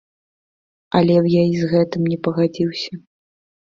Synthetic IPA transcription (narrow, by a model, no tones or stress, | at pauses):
ɐlʲɛwjaizɣɛt̪ɨmnʲɛpɐɣad͡zʲiwsʲɐ